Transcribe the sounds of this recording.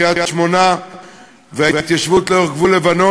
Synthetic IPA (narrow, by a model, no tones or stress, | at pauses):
jajaʃmona | veaat̪jaʃvut̪leoχɡvulevano